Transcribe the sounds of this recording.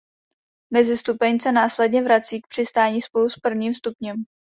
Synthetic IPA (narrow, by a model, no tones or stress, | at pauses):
mɛzɪst̪upɛɲsɛnaːslɛdɲɛvɾat͡siːk̚pr̥ɪst̪aːɲiːspo̞luspr̩vɲiːmst̪upɲɛm